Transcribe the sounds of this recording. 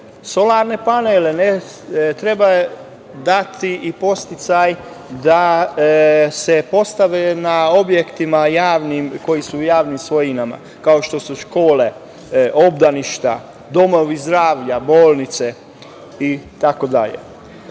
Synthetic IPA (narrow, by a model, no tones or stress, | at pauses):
so̞laɾne̞panelene | t̪ɾe̞ba | d̪at̪iʔipo̞st̪it̪saj | d̪a | sepo̞st̪aʋenao̞bjekt̪imajaːʋnimko̞jisuːjaːʋnimsʋo̞jinama̰ | kao̞ʃt̪o̞suʃko̞ːle̞ | ʔo̞bd̪aniʃt̪a̰ | d̪o̞mo̞ʋizd̪ɾaːʋʎaboːlˠnit̪se | it̪ako̞d̪aʎḛ